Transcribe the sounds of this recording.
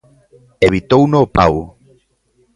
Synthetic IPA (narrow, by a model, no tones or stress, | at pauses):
eβit̪ownoːpa̰w